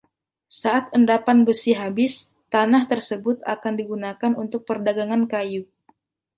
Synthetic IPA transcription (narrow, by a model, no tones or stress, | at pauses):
saʔat̪̚əndapanbəsiɦabɪs | t̪anaht̪ərsəbʊt̪̚a̰kandiɡunakanunt̪ʊk̚pərdaɡaŋankaju